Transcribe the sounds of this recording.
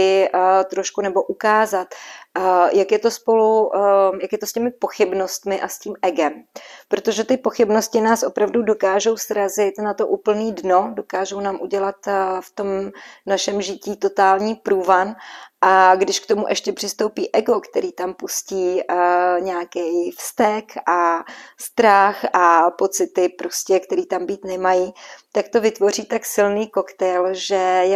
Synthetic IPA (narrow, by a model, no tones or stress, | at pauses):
ɪt̪ɾo̞ʃkunɛbo̞ʔukaːzat̪ | jakjɛt̪o̞spo̞lujakjɛt̪oscɛmɪpo̞xɪbno̞st̪mɪʔasciːmʔɛɡɛmpɾot̪o̞ʒɛt̪ɪpo̞xɪbno̞scɪnaːsʔo̞pɾavdudo̞kaːʒo̞wsɾazɪt̪nat̪o̞ʔuːpl̩niːdnodo̞kaːʒownaːmʔuɟɛlat̪ft̪o̞mnaʃɛmʒɪciːt̪ot̪aːlɲiːpɾuːvanʔaɡdɪʃkt̪o̞muʔɛʃcɛpr̥ɪst̪o̞wpiːʔɛɡo̞kt̪ɛɾiːt̪ampusciː | ɲɛakɛjfst̪ɛkʔast̪ɾaxʔapo̞t͡sɪt̪ɪpɾo̞scɛkt̪ɛɾiːt̪ambiːt̪nɛmajit̪ak̚t̪o̞vɪt̪vo̞r̝iːt̪aksɪlniːko̞kt̪ɛjlʒɛjɛ